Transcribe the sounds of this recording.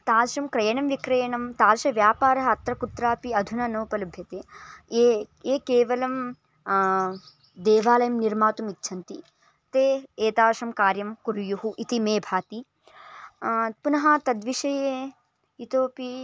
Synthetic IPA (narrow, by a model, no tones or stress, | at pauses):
t̪aːlʃɐmkɾɐjɐɳɐmʋikɾɐjɐɳɐmt̪aːlʃɐʋjaːpaːɾɐɦɐɐt̪ɾɐkut̪ɾaːpiɐd̪ʱunɐnɐwpɐlɐbʱjɐt̪eːeeːkeːʋɐlɐm | d̪eːʋaːlɐjɐmniɾmaːt̪umitːʃʰɐnt̪i | t̪eːeːt̪aːʃɐmkaːɾjɐmkuɾjuɦuʔit̪imeːbʱaːt̪i | punɐɦɐt̪ɐd̪ʋiʃɐje | it̪oːpi